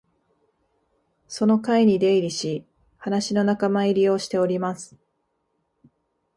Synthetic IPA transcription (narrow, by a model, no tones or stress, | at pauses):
so̞no̞kaiɲ̟id̪e̞iɾʲiɕi | hanaɕino̞nakamaiɾʲio̞ɕi̥t̪e̞o̞ɾʲimasɨ̥